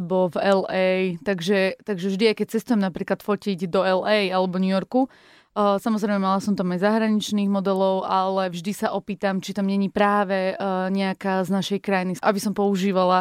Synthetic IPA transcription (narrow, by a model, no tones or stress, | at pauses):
bɔvɛlɛjt̪aɡʒɛt̪aɡʒɛvʒd̪iajkɛc̚t͡sɛst̪ujɛmnapɾiːklˠat̪fɔciɟd̪ɔɛlɛjalɛbɔɲujɔɾku | samɔzɾɛɪmɛmalasɔmt̪amaɟzaɦɾaɲit͡ʃniːɣmɔd̪ɛlɔʊʔalɛvʒd̪isaʔɔpiːt̪amt͡ʃit̪ɔmɲɛɲipɾaːʋɛɲɛakaːznaʃɛjkɾajniʔabisɔmpɔuʒiːʋala